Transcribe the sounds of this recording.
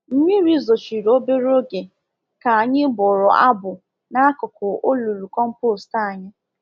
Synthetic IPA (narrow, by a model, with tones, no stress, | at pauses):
m̩˦ɲi˦ɾi˦zo˨t͡ʃi˨ɾo˦be˦ɾo˦ɡe˨ | ka˨a˨ɲɪ˦bʊ˨ɾʊ˨ʔa̰˦bʊ˨ | na˦kʊ˨kʊ˨ʔo˦lu˨ɾu˨kɔ˦m̩˦po˦˨sta˦a˨ɲɪ˦